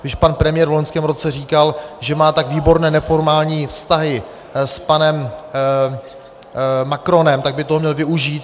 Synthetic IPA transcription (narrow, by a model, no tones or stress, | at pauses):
ɡ̥dɪʃpanpɾɛmɪjɛːɾvloɲskɛːmɾo̞t͡sɛr̝iːkalʒɛmaːt̪aɡviːbo̞ɾnɛːnɛfo̞ɾmaːlɲiːfst̪aɦɪ | spanɛm | akɾo̞nɛmt̪aɡ̚bɪt̪oɦomɲɛlvɪuʒiːt̪